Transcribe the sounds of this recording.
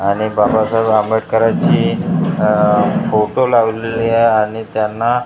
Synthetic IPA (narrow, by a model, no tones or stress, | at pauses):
aɽ̃ibabasajbaməʈkəɾat͡ɕiː | foʈolaʋleliajaɽ̃it̪janːa